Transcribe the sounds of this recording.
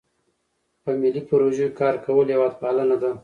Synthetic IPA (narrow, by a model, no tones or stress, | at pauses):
pəmɪlipoɾoʒekɑɾkʰawəljawɑd̪̚pɑlənad̪a